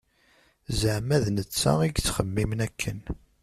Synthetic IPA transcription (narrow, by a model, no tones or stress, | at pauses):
zəʕmæðnət͡sːæ̰iɡt͡sːχəmːimnækʰːən